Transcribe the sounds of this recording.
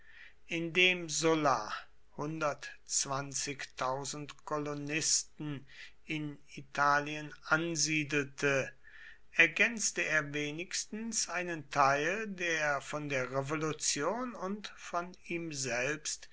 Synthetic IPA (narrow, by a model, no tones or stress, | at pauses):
ʔɪndeːmzʊla | hʊndɐtt͡sv̥ant͡sɪçtʰaʊzn̩tkʰɔlonɪstn̩ | ɪn | itʰaːliənʔanziːdl̩tʰə | ʔɛɐɡɛnt͡stəeːɐveːnɪçstn̩sʔaɪnəntʰaɪldeːɐfɔndeːɐʁevolut͡sjoːnʊntfɔniːmzɛlpst